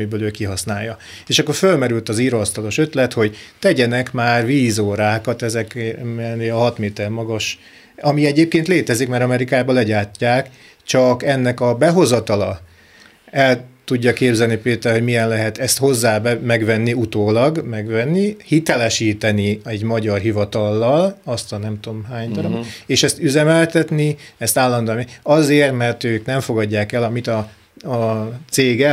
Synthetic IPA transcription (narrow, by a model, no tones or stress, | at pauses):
ibøːløːkiɦɒsnaːjːɒ | eːʃɒkːo̞rfølmɛɾylt̪ɒziːɾost̪ɒlo̞ʃø̞t̪lɛt̪ho̞ɟt̪ɛɟɛnɛkmaːrviːzoːɾaːkɒt̪ɛzɛkneɒɦɒt̪meːt̪ɛrmɒɡɒʃ | ɒmiɛɟeːp̚keːnt̪leːt̪ɛzikmɛɾɒmɛɾikaːbɒlɛɟaːcːaːk | t͡ʃɒkɛnːɛkɒbɛɦo̞zɒt̪ɒlɒ | ɛlt̪uɟːɒkeːbzɛlnipeːt̪ɛrhomijɛnlɛɦɛt̪ɛst̪hozːaːbɛmɛɡʋɛnːiut̪oːlɒɡmɛɡvɛnːihit̪ɛlɛʃiːt̪ɛniɛɟmɒɟɒrɦivɒt̪ɒlːɒlɒst̪hɒnɛmt̪uomɦaːɲd̪ɒɾob̪eːʃɛst̪yzɛmɛlt̪ɛt̪niɛst̪aːlːɒnd̪oniɒzeːrt̪mɛrt̪øːknɛɱfo̞ɡɒɟːaːkɛlɒmit̪ɒ | t̪seːɡɛ